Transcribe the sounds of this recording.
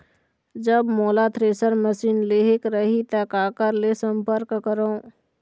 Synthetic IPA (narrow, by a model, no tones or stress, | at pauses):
d͡ʒəbmoːlat̪ʰɾeːsəɾməsiːnleɦekɾəɦit̪əkaːkəɾlesəmpəɾkːəɾo